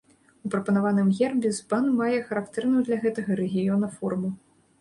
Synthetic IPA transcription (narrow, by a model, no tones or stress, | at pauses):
upɾɐpɐnavanɨmɣʲɛrbʲɪzbanmajɛxɐɾakt̪ɛrnuwd̪lʲaɣɛt̪ɐɣɐɾɛɣʲijɔnɐfɔrmu